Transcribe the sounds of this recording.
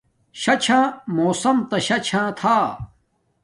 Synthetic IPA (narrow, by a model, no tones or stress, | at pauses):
ɕɐt͡ɕʰãːmoːsɐmt̪ɐɕɐt͡ɕʰãːt̪ʰaː